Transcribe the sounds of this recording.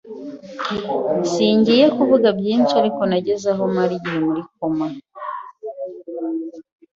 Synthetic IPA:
siːɲɟijekuvuɡabɟiːnʃiaɾiko̞naɟe̞zaɦo̞maɾiɟiomuɾik̚o̞ma

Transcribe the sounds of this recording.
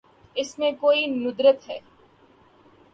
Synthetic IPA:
ɪsmẽkoːinʊd̪ɾət̪ɦɛː

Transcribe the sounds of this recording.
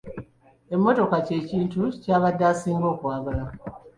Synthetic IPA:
e̞mːo̞to̞kace̞ːciːntucaːβadːaːsiːŋɡo̞ːkwaːβala

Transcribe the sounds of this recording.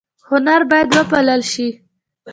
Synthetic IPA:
hʊnaɾbɑjad̪wəpalalʃi

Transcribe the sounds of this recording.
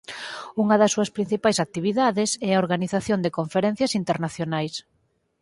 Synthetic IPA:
uŋɐðɐsːuɐspɾin̟θipajsak̚t̪iβiðaðɪsɛɐoɾɣaniθaθjond̪ekoɱfeɾɛn̟θjɐsint̪eɾnaθjonajs

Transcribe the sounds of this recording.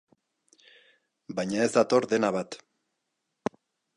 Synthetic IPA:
bajɲae̞zd̪at̪o̞ɾðe̞naβat̪

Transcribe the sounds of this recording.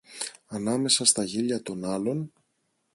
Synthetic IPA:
ɐnɐme̞sɐst̪ɐʝiʎɐt̪o̞nɐlo̞n

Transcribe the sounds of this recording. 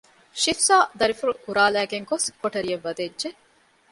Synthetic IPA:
ʃifsaːd̪ɐɾifuɾukuɾaːlæːɡeŋkoskoʈɐɾijɐʋːɐd̪edʒe

